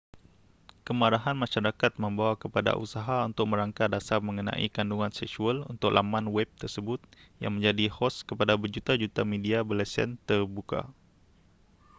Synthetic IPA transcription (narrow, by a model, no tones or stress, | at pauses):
kəmaɾaɦanmãʃaɾakat̪̚mə̃mbawakəpada̰ʔusaɦaunt̪ʊk̚mə̃ɾaŋkadasarmə̃ŋənã̰ʔḭkanduŋãnsɛksualṵnt̪ʊklʔa̰mãnwɛp̚t̪ərsəbʊt̪̚ja̰ŋmə̃ɲd͡ʒadihɔskəpadabərd͡ʒut̪ad͡ʒut̪amediabəlɛsɛ̰nt̪ərbuka̰